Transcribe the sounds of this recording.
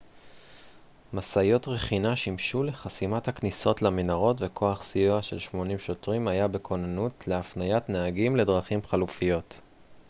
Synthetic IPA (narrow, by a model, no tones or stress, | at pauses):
masajo̞tʁeχinaʃimʃule̞χasimathakniso̞tlaminaʁo̞tve̞kʰo̞aχsijuaʃe̞lʃmo̞nimʃo̞tʁimajabekʰo̞nanutleafnajatneaɡimle̞dʁaχimχalufijo̞t